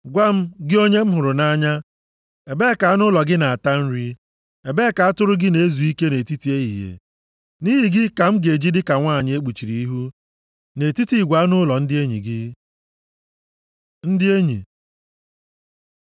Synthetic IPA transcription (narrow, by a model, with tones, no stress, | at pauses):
ɡʷa˦m̩˦ɡɪ˦o˦ɲe˦m̩˦ɦʊ˨ɾʊ˨na˦ɲa˦ | e˨be˦˨ka˨a˦nʊ˦lɔ˨ɡɪ˦na˨a˨ta˦n̩˦ɾi˦ | e˨be˦ka˨a˦tʊ˦ɾʊ˦ɡɪ˦ne˨e˦zu˨i˦ke˦ne˨ti˦ti˨e˦ɦḭ˨ɦḛ˨ | ni˦ɦi˨ɡɪ˦ka˨m̩˦ɡe˨d͡ʒi˦dɪ˦ka˨ŋʷaː˦˨ɲɪ˨˦e˦k͡pu˨t͡ʃi˨ɾi˨i˦ɦu˦ | ne˨ti˦ti˨ɡʷa˨˦a˦nʊ˦lɔ˨n̩˦dɪ˦e˦ɲḭ˨ɡɪ˦ | n̩˦dɪ˦e˦ɲḭ˨